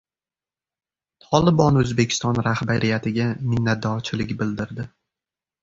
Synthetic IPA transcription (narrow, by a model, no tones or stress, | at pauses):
t̪ʰɒlˠɪbɒnɵzbe̞kʲʰɪ̥st̪ɒnɾahbaɾɪjat̪ʰɪɡʲamɪnːat̪̚d̪ɒt͡ʃʰɪlɪɡʲbɪld̪ɪɾd̪ɪ